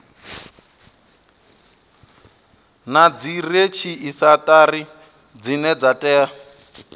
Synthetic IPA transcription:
nad͡ziret͡ʃʰiisatʼari | d͡zinɛd͡zatʼɛːa

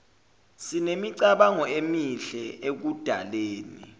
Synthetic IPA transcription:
sinemiǀaɓaŋɔemiɬɛek̬ud̥ʱaleːnḭ

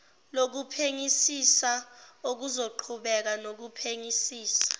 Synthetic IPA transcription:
lok̬upʰeŋisisaok̬uzoǃʰuɓɛk̬anok̬upʰeŋisiːsḁ

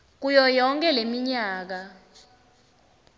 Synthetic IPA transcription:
k̬ujɔjɔŋkʼɛlemiɲaːk̬a

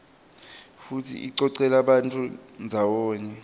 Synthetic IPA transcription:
futʰḭʔiǀɔǀɛlaɓantʼund͡zʱawɔːɲɛ

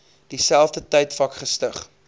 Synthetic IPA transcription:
d̥isælˠfdətəjtfɐkχəstəχ

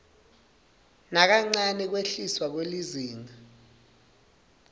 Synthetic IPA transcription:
nak̬aŋ͡ǀanɛk̬weɬiswak̬weliziːŋa

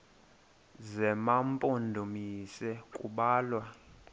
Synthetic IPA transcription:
zɛmampʼondʱumisɛkʼṵɓaːlwa

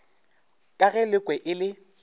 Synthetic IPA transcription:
kʼaɣɛlɪkʼwɛʔɪlɪ

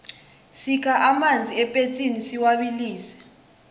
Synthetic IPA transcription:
sikʰaʔamand͡zʱiɛpʼet͡sʼinisiwaɓiliːsɛ̥

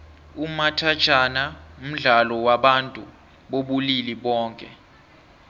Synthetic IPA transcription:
umatʰḁt͡ʃʰʼanaum̩ɮalɔwaɓantʼu | ɓoɓuliliɓɔːŋkʼɛ̰

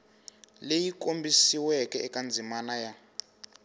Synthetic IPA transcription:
lejikombʱisiwɛkɛɛkand͡zʱimanaja

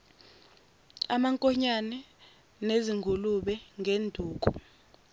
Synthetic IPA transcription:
amaŋkʼɔɲanɛ | neziŋɡʱuluɓɛŋʱendʱuːk̬u

